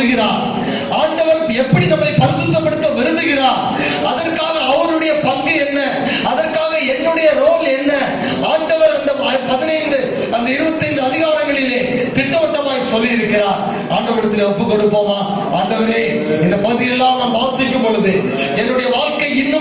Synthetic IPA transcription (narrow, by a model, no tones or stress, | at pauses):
ɯɣɪɾaːɾ | aːɳɖɐʋɐɾ | ɛpːɐɽinɐmːɐɪpɐɾɪsɯt̪ːɐpːɐɽɯt̪ːɐʋɛɾɯnd̪ɯɣɪraːɾ | ɐðɐrkaːɣɐːʋɐɾɯɽɐjɐpɐŋɡiɛnːɐ | ɐðɐrkaːɣɐɛnːɯɽɐjɐɾoːlɛnːɐ | aːɳɖɐʋɐɾɐnd̪ɐɐpɐðɪnɐɪnd̪ɯ | ɐnd̪ɐɪɾɯʋɐt̪ːɐɪnd̪ɯɐðɪɣaːɾɐŋɡɐɭɪleːt̪ɪʈːɐʋɐʈːɐmaːjisɔlːɪjɪɾɯkːɪɾaːɾ | aːɳɖɐʋɐɾɐt̪ːɪleɔpːɯkːɔɽɯpːoːmaː | aːɳɖɐʋɐɾeː | ɪnd̪ɐpɐðɪjɛlːãːnɐmbaːsɪkːɯmpɔɭɯðɯ | ɛnːɯɽɐjɐʋaːɭkɐɪɪnːɯ